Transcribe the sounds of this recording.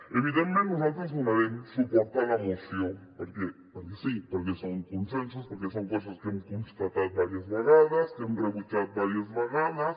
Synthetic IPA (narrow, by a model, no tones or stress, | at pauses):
eβiðenmenosot̪os̬unaβeŋsupoɾt̪alaemosjoŋpoɾkepoɾkesipoɾkesoŋkonsens̬ospoɾkesoŋkos̬askeemkonst̪at̪aðβaɾjazβaɣaðaskeemreβut͡ʃaðbaɾjazβaɣaðas